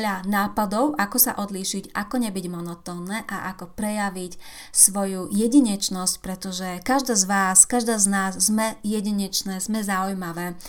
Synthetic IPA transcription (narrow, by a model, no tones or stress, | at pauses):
ʎanaːpad̪ɔʊʔakɔsa̰ʔɔd̪liʃiɟakɔɲɛbiɟmɔnɔt̪ɔːnːɛːʔaʔakɔpɾɛjaʋic | sʋɔjujɛɟiɲɛt͡ʃnɔsc̚pɾɛt̪ɔʒɛkaʒd̪aːzʋaːskaʒd̪aːznaːzːmɛjɛɟiɲɛt͡ʃnɛːzmɛzaujmaʋɛː